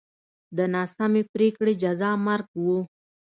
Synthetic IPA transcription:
d̪ənɑːsamipɾekɽed͡ʒazɑːmaɾɡwo

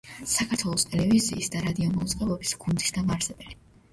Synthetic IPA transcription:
sakʰaɾt̪ʰwɛlˠɔst̪ʼɛlɛviziːsd̪aɾad̪iɔmɔud̪zʁɛbɔbisɡ̥und̪isd̪amaɾsɛbɛli

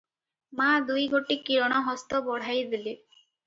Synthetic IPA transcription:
mad̪ujɡoʈikiɾɔɽ̃ɔɦɔst̪ɔbɔɽ̤ajd̪ili

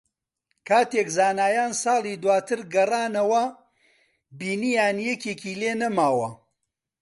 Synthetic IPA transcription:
kʰaːt̪eːkzaːnaːjaːnsɑːlˠiːd̪waːt̪ʰɨɾɡɐraːnɐwɐ | biːnijaːnjɛkeːkiːleːnɐmaːwɐ

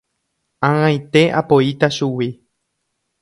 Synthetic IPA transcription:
ããjt̪e̞ʔa̰poit̪aʃuwi

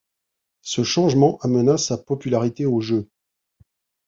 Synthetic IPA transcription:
səʃɑ̃ʒmɑ̃ʔamənasapɔpylaʁit̪eoʒø

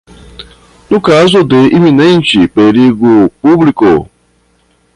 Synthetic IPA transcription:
nʊkazʊdeiminẽnt͡ʃipeɾiɡupubliko̰

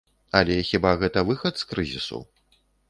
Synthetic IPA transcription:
ɐlʲɛxʲibaɣɛt̪ɐvɨxɐt̪skɾɨzʲḭsṵ

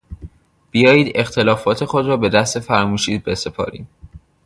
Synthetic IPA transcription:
b̥ijɒːjiːd̪e̞xt̪ʰe̞lɒːfɒːt̪ʰe̞xod̪rɒːbe̞d̪æst̪e̞fæɾmuːʃiːbe̞se̞pʰɒ̰ːɾḭːd̪

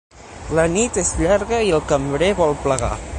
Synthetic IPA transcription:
lənit̪ezʎaɾɣəiəlˠkəmbɾeβɔlˠpləɣa̰

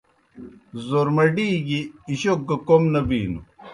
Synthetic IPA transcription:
zoɾmɐɖiːɡiːɕok̚ɡɐkomnɐbḭːnṵ

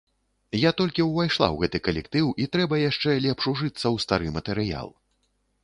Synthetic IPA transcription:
jat̪ɔlʲkʲiwvajʂlˠa̰wɣɛt̪ɨkɐlʲɛkt̪ɨwit̪ɾɛbɐjaʂt͡ʂɛlʲɛpʂuʐɨt̪sːɐwst̪aɾɨmɐt̪ɛɾɨja̰lˠ

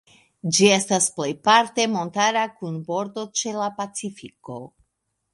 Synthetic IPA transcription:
d͡ʒie̞stasple̞jpaɾte̞mo̞ntaɾakunbo̞ɾdo̞t͡ʃe̞lapat͡sifiko̞

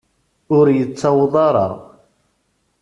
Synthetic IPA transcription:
ʊɾjət͡sːɑwðˤɑɾˤɑ̰ʁ

